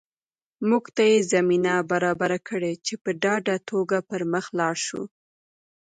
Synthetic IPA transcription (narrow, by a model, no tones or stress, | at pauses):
muɡt̪ajezaminabaɾɑbaɾakʰəɽet͡ʃepəɖɑɖat̪ʰoɡapəɾməxlɑɾʃṵ